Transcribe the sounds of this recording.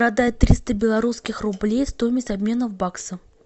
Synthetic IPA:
ɾad̪ajɪt̪ːɾʲist̪əbʲɪlˠɐɾuskʲɪxrʊblʲejst̪ojmʲɪsʲɐbʲmʲe̞nəvbaksə

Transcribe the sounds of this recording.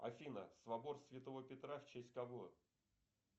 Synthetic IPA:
ɐ̰fʲinə̰svɐbo̞rsvʲɪt̪ovəpʲɪt̪ɾaft͡ɕesʲtʲkɐbo

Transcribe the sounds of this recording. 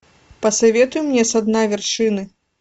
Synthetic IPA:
pɐsavʲɛt̪ujumnʲɛsad̪navʲɛrʂɨnɨ

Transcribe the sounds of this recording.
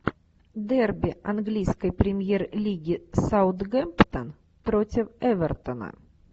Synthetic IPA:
d̪ɛrbʲɪɐnɡlʲijskəjpɾʲɪmʲjerlʲiɡʲɪsaʊt̪ɡɛmpt̪ən | pɾotʲɪfɛvʲɛrt̪ənə̰

